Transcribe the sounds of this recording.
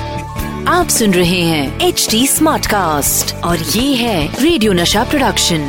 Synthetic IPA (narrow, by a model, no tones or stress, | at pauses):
aːpsʊnɾɐɦeɦɛ̃ːeːt͡ʃʈiːsmaːɾʈkaːsʈɔːɾjeːɦɛɾeːɖijoːnɐʃapɾoɖɐkʃə̃n